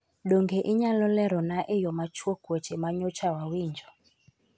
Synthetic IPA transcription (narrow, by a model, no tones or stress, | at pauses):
ɗɔŋɡɛʔiɲalɔlɛɾɔnaʔijɔmat͡ʃwɔɡ̥wɛt͡ʃɛmaɲɔt͡ʃawawiːɲd͡ʒʱɔ